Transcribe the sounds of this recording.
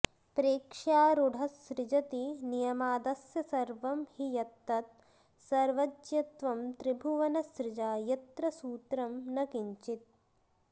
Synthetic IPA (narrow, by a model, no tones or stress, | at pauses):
pɾeːkʂaːɾuɽʱɐsɾɪd͡ʒɐt̪inijɐmaːd̪ɐsjɐsɐɾʋɐmhijɐt̪ːɐt̪̚ | sɐɾʋɐd͡ʒjɐt̪ʋɐmt̪ɾibʱuʋɐnɐsɾɪd͡ʒaːjɐt̪ɾɐsuːt̪ɾɐmnɐkiɲt͡ʃit̪̚